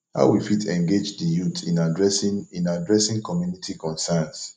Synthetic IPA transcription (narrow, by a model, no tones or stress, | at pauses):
ha̰ʊwifitʰɛ̃ŋɡed͡ʒdəjutʰḭ̃nadɹɛsĩnadɹɛsĩŋkɔmjunitʰikɔ̃nsɛns